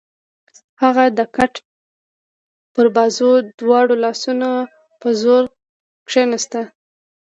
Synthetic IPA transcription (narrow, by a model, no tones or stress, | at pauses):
haɣad̪əkaʈ | pəɾbɑzod̪wɑɽolɑsuno | pəzoɾ | kʂenast̪a